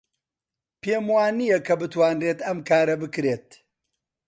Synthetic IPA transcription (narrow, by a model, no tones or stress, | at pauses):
pʰeːmwaːnijɐkʰɐbɨt̪waːnreːt̪ɐmkʰaːɾɐbɨkɾeːt̪